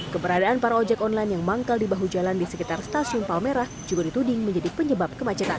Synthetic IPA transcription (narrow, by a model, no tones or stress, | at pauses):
kəbəɾadaanpaɾaod͡ʒɛkɔnlajnjaŋmaŋkaldibaɦud͡ʒalandisəkit̪arst̪asiʊnpalmeɾahd͡ʒuɡadit̪udɪŋməɲd͡ʒadipəɲəbap̚kəmat͡ʃət̪a̰n